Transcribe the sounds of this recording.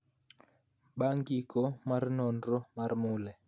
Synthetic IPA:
ɓaŋɡikɔmaɾnɔndɾɔmaɾmulɛ

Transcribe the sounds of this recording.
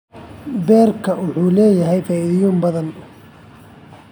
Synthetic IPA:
bɛːrkʰɐwʊħuːlɛːjɐɦɛjfɛɪjuːmbɐðɐnʊ

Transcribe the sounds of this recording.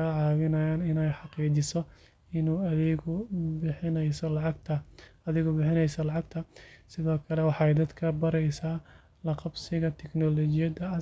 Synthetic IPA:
aʕɑːwɪnɐjaːnɪnɛjħɑqiːt͡ʃɪsɔ | ɪnuːɐðɪɣʊbɪħɪnɛjsɔlɑʕɑɡt̪ʰɐɐðɪɣʊbɪħɪnɛjsɐlɑʕɑɡt̪ʰɐsɪðɔːkʰɐlɛwɑħɑɛjd̪ɐd̪kʰɐbɐɾɛjsaː | lɐqɑbsɪɣɐt̪ʰɛknɔlɔt͡ʃɪjɐd̪ɐɐ

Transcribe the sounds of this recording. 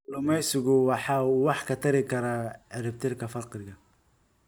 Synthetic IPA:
lʊmɛjsɪɣʊwɑħɑːuːwɑħkʰɐt̪ʰɐɾɪkʰɐɾaːʕɪɾɪb̚t̪ʰɪrkʰɐfɐqrɪɣɐ

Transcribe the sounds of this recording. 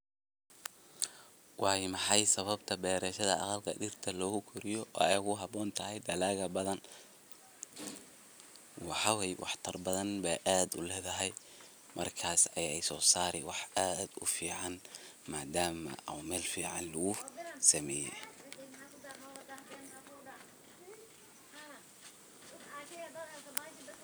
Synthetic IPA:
wɑːjmɑħɑjsɐβɐbt̪ʰɐbɛːɾɛːʃɐðɐ̰ʔɑ̰qɑlkʰɐ̰dɪrt̪ʰɐlɔːɣʊkʰʊɾɪjɔʔɔːɛjɣʊɦɑbɔːnt̪ʰɐɦɛjd̪ɐlaːɣɐbɐðɐn | wɑħɑwɛjwɑ̰ħt̪ʰɐrbɐðɐnbɛʔaːd̪ʊ̰lɛːðɐɦɛj | mʔɐ̰rkʰaːsɐjɛjsɔːsaːɾɛwɑħaːd̪ʊ̰fiːʕɑnmaːd̪aːmɐ̰ʔɐ̰mɛːlfiːʕɑnlʊɣʊsɐmɛːjɛ̰

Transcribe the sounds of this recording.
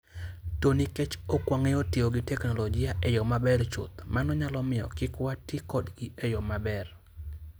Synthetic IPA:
tonikɛt͡ʃokwaŋeotɪoɡɪtɛknɔlɔɡɪjaʔejɔmabɛɾt͡ʃo̰t̪manɔɲalɔmɪɔ̰kɪkwatikɔdɡiʔejɔmabɛr

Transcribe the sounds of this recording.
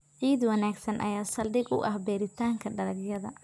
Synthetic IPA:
ʕiːd̪wɐnaːɡsɐnʔɐ̰jaːsɐldɪɡʊ̰ʔɐhbɛːɾɪt̪ʰaːŋkʰɐɖɐlɐɡjɐðɐ̰

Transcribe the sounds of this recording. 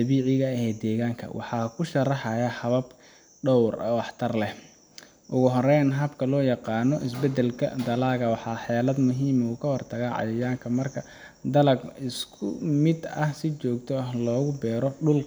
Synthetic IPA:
d̪ɐβiːʕɪɣɐɛːd̪ɛːɣaːŋkʰɐ̰wʔɑ̰ħɑːkʰʊʃɐrɑħɑjɐhɐβɐb | ɖɔwr̰wɑħt̪ʰɐrlɛ | ʔʊɣʊɦɔrɛjnɦɐbkʰɐlɔːjɑqɑːnɔʔɪsbɛd̪ɛlkʰɐ̰d̪ɐlaːɣɐwɑħɑːħɛːlɐd̪mʊɦiːmuːkʰɐwɑrt̪ʰɐɣaːʕɑ̰jɐjaːŋkʰɐmɐrkʰɐ | d̪ɐlɐɡɪskʰʊmɪd̪ɐhsɪt͡ʃɔːɡt̪ʰɔɐhlɔːɣʊbɛːɾɔɖʊl

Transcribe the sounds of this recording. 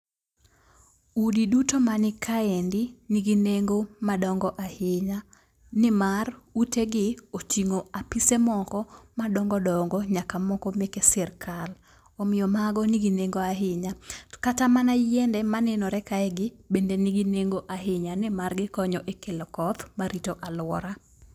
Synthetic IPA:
udidutomanɪkʰaendɪniɡineŋɡomadɔŋɡɔʔahɪɲa | nɪmaruteɡɪot͡ʃiŋoapisemɔkɔmadɔŋɡɔdɔŋɡɔɲakamɔkɔmekesɛrkʰal | omɪjɔmaɡɔniɡineŋɡoaɦɪɲakatamanajɛndɛmanɛnɔɾɛkaɛɡɪbendeniɡineŋɡoʔaɦɪɲanɪmarɡɪkɔɲɔʔekelɔkɔt̪maɾitoʔalwɔ̰ɾa

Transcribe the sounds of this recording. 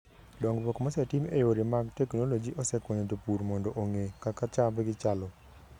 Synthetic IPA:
dɔŋɡpɔkmasɛtimejoɾimaɡtɛknolod͡ʒiʔɔsɛkwɔɲot̪opuɾmɔndɔʔoŋekakat͡ʃabɡɪt͡ʃalɔ

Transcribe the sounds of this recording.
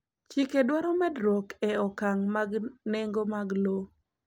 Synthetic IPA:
t͡ʃikedwaɾɔmɛdɾɔkɛɔkaŋmaɡneŋɡomaɡlo

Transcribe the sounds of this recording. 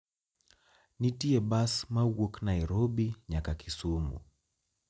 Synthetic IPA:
nitiɛɓasmawɔknaiɾɔɓiɲakakisumṵ

